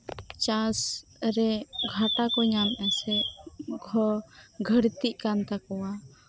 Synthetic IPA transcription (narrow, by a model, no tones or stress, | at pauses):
t͡ʃasɾɛɡʱaʈakɔɲamasɛɡʱɔɡʱəɽt̪iʔ̚kant̪akɔwa